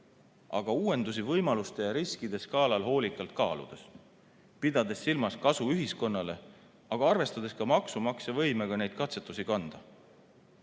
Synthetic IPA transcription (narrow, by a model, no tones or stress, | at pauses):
ʔɑ̰ɡ̥ɑuːe̞nd̪usivɤjmɑlust̪e̞jɑɾiskid̪̥e̞skɑːlɑlho̞ːlikːˑɑlt̪̚kɑːlṵd̪̥e̞s | pid̪̥ɑd̪̥e̞sːilmɑskɑsuyɦisko̞nːɑle̞ | ɑɡ̥ɑɑrve̞st̪ɑd̪̥e̞skɑmɑksumɑksevɤjmeɡ̥ɑne̞jd̪̥̚kɑt̪se̞t̪ːˑusikɑnd̪̥ɑ